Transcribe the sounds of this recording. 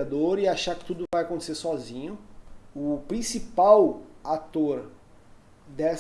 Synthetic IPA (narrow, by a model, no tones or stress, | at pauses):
ad̪oɾɪaʃaɾkɪ̥t̪ud̪ʊvajakõt̪e̥seɾsɔzĩɲʊʊpɾĩsipawat̪oɾ | d̪ɛs